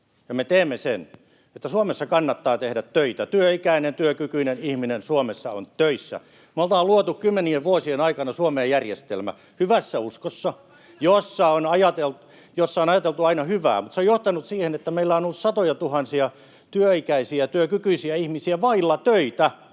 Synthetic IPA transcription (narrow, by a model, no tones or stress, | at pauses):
jɑmet̪eːmːesḛn | et̪ːæsuomesːɑkɑnːɑt̪ːɑːt̪ehɾæt̪tøit̪æt̪yøikæinent̪yøkykyinenihminensuomesːɑo̰ntt̪øisːæ̰ | meolt̪ɑːluot̪ukkymːenieʋʋuosienɑikɑnɑsuomeːjærjest̪ḛlmæ̰ | hyʋæsːæuskosːɑ | josːɑonɑjɑt̪elt̪u | josːɑonɑjɑt̪elt̪uɑinɑhyʋæ̰ːmut̪seojoht̪ɑnut̪siːhenet̪ːæmeilːæonolːut̪sɑt̪ojɑt̪uhɑnsiɑ | t̪yøikæisiæt̪yøkykyisiæihmisiæʋɑilːɑt̪øit̪æ